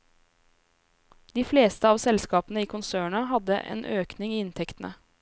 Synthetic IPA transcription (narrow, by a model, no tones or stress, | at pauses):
d̪̥iːfleːst̪əɑːʋsɛlskɑːpənəiːkʰʊnsøːɳɑɦɑd̪ə̰ʔḛːnʔøːknɪŋiːɪnt̪ʰɛkt̪nə̰